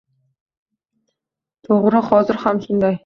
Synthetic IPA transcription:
t̪ʰʊʁ̆ɾə̆χɔzə̆rχamsə̆nd̪a

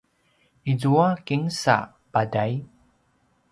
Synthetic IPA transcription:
izuakiŋsa̰ | b̥adaj

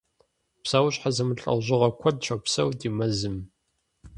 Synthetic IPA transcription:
psaːwʊɕʼħazɐmɨɬʼɐ̰wʑɪʁɐkʷʰɔd̚ʃʰɐpsɐwdiːmɐzɨm

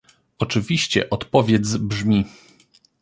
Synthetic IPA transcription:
ɔt͡ʂɘvʲiɕt͡ɕɛ̰ʔɔt̪pɔvʲjɛd̪zbʐmʲi

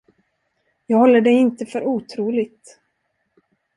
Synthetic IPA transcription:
jɑːɡhɔlːəɖɛjɪnt̪əfœɾuːt̪ʰɾuːlɪɡt̪

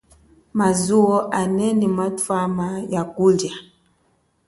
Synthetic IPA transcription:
mazuɔʔanɛnimatwamajakulja

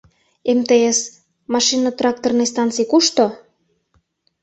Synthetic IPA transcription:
emt̪ees | mɑʃinɑt̪rɑk̚t̪ornejs̬t̪ɑnt͡sijkuʃt̪o

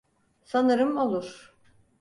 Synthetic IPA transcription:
sanɯɾɯmo̞lˠuɾ̥

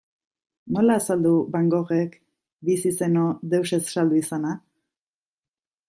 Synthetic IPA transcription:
no̞laːsald̪uβaŋɡo̞ɣe̞k | bisiseno̞ðewse̞sʃald̪uisana

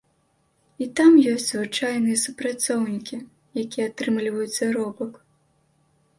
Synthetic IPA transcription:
it̪amjɔsʲtʲzvɨt͡ʂajnɨjɐsupɾat̪sɔwnʲikʲi | jakʲijɛat̪ɾɨmlʲivɐjut̪sʲːɐɾɔbɐk

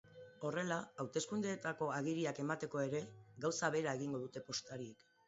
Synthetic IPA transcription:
o̞re̞laawt̪e̞skund̪e̞ːt̪ako̞aɣ̞iɾiake̞mat̪e̞ko̞e̞ɾe̞ɡawsaβe̞ɾae̞ɣiŋɡo̞ðut̪e̞po̞st̪aɾiek

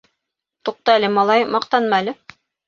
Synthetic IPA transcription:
t̪uq̚t̪ɑælɘmɑlˠɑjmɑqt̪ɑnmɑælɘ

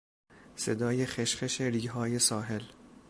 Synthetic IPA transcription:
sḛd̪ɒːjexeʃχeʃeɾiːɦɒːje̞sɒːɦe̞l

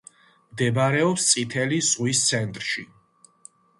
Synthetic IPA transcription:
md̪ɛbaɾɛɔpst̪sʼit̪ʰɛlizʁwist̪sʰɛnt̪ʼɾʃḭ

